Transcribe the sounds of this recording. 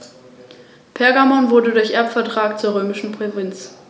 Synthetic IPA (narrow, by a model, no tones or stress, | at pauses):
pʰɛɐɡamɔnvʊɐdədʊɐçʔɛɐpfɛɐtʁ̥aːkt͡suːɐʁ̞øːmɪʃn̩pʁ̥ovɪnt͡s